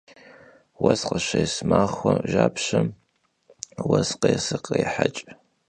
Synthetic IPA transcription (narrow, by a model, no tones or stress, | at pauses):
wɐzqɐʃɐjsmaːχʷɐʒaːpʰɕɐm | wɐsqejsɨqejħat͡ʃʼ